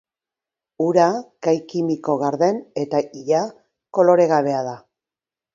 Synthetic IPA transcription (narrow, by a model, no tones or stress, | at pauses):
uɾakajkimiko̞ɣaɾðe̞ne̞t̪aiʎa | ko̞lo̞ɾe̞ɣaβe̞aða